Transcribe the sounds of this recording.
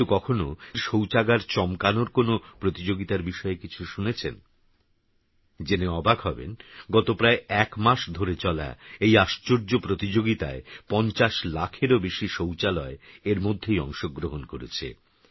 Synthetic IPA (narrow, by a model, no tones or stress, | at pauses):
ukɔkʰonoɾʃowt͡ɕaɡaɾt͡ɕɔmkanoɾkonopɾot̪id͡ʑoɡit̪aɾbiʃɔekit͡ɕʰuʃunet͡ɕʰḛn | d͡ʑeneɔbaɡɦɔbḛnɡɔt̪opɾaeɛkmaʃd̪ʱoɾet͡ɕɔla̰ejaʃt͡ɕoɾd͡ʑopɾot̪id͡ʑoɡit̪a̰epɔnt͡ɕaʃlakʰeɾobeʃiʃowt͡ɕalɔeeɾmod̪ʱːejɔ̰ŋʃoɡːɾoɦonkoɾḛt͡ɕʰḛ